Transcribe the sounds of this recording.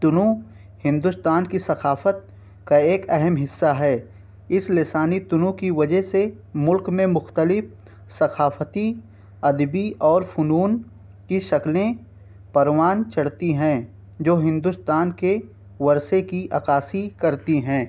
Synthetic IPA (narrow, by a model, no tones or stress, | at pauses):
t̪ʊnũ | hɪ̃nd̪ʊst̪aːnkisɐxʰaːfət̪̚ | kaeːkɛɦəmɦɪsːaɦɛː | ɪslɪsaːnit̪ʊnũkiʋɐd͡ʒəɦsemʊlkmẽmʊxt̪əlɪf | sɐxʰaːft̪i | ɐd̪biɔːɾfʊnuːn | kiʃɐklẽ | pɐɾwaːnt͡ʃʰɐɽt̪iɦɛ̃ː | d͡ʒoːɦɪ̃nd̪ʊst̪aːnke | ʋɐɾsekiʔa̰ːkaːsikɐɾt̪iɦɛ̃ː